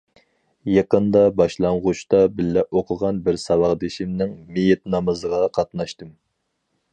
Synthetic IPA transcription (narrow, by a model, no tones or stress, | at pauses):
jɑqənd̪ɑbɑʃlˠɑɴʁʊʃt̪ɑbɪlːɛʔoqʰʊʁɑnbɪɾsɑwɑʁd̪ɪʃimnɪŋmijɛt̪nɑmɨzəʁɑqʰɑt̪nɑʃt̪ɨm